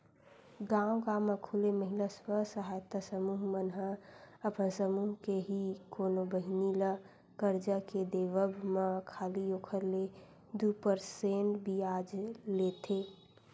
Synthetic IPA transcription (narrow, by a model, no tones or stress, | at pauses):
ɡãːwɡãːmẽkʰuleməɦilaswəsəɦaːjt̪asəmuːɦmənɦəəpənsəmuːɦkeɦikoːnobəɦɪnila | kəɾd͡ʒaked̪eːʋəbʱmãkʰaːlioːkʰəɾle | d̪upəɾseːnbʱiaːd͡ʒlet̪ʰeː